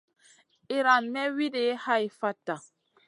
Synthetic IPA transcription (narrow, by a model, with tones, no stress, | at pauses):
i˨ɾa˨nːɛ˦wi˦de˨˦ha˦i˨fa˦ta˨